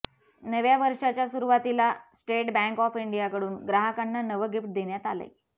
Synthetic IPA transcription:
nəʋjaʋəɾʂat͡ɕjasuɾuʋat̪ilasʈeʈbɛ̃ŋkɔfiɳɖijakəɽuːnɡɾaɦəkanːanəʋəɡifʈ̚d̪eɳjat̪alə̰

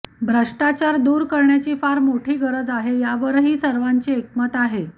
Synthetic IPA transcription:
bʱɾəʂʈat͡ɕaɾd̪uːɾkəɾɳjat͡ɕiːfaɾmoʈʰiːɡəɾəd͡zaɦejaʋəɾɦiːsəɾʋaɲt͡ɕiːek̚mət̪aɦe

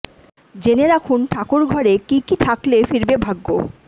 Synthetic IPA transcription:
d͡ʑeneɾakʰunʈʰakuɾɡʱɔɾekikit̪ʰaklefiɾbebʱaɡːo̰

